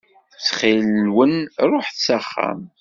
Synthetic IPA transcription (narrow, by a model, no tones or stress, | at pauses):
t͡sːχillːwənrˤoħθsæχːæ̰m